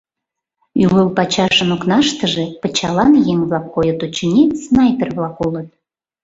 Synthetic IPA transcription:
yləlpɑt͡ɕɑʃənoknɑʃt̪əʒe̽pə̆t͡ɕɑlɑnjeŋβlɑkːojət̪ut͡ɕenʲesnɑjpʲerβlɑkulət̪̚

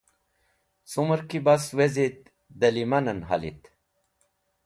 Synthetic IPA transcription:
t͡suməɾkibaswezit̪̚ | d̪ɐlimɐnɐnɦa̰lḭt̪

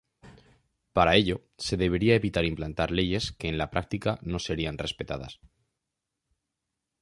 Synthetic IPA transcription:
paɾae̞ʎo̞ | se̞ðe̞βe̞ɾiae̞βit̪aɾimplant̪aɾle̞ʝe̞ske̞ːnlapɾak̚t̪ikano̞se̞ɾianre̞spe̞t̪aða̰s

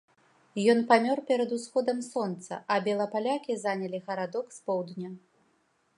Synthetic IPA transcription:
jɔnpamʲɔrpʲɛɾɐd̪usxɔd̪ɐmsɔnt̪sɐ̰ʔɐbʲɛlˠɐpalʲakʲizanʲɐlʲiɣɐɾad̪ɔkspɔwd̪nʲa

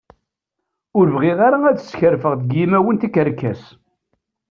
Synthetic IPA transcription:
ʊɾvʁɪðˤaɾaæðə̥sçəɾfəʁðəɡjimæwənt̪ikəɾkːæs

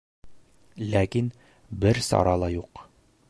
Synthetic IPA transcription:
lækin | bɘɾsɒ̰ɾɑlˠɑjuq

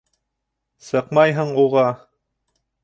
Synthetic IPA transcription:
sɤqmɑjɦɤɴuʁɑ

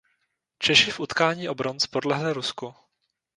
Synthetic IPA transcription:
t͡ʃɛʃɪfʔut̪kaːɲiːʔo̞bɾont͡spodlɛɦlɪɾusku

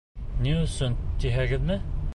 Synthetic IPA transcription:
niɵsɵnd̪iɦæɡɘðmɘ

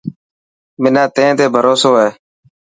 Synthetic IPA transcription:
mɪnãːt̪ẽːt̪eːbʱəɾoːsoːɦeː

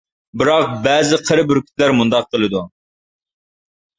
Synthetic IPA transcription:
bɪɾɑq̚bɛːzɪqʰəɾɪbyɾkʲy̥t̪læɾmund̪ɑq̚qəlˠɨd̪u

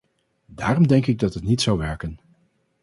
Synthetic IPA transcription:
daːrɔmdɛŋkɪɡ̚dɑtɦətnitsawʋɛɹkən

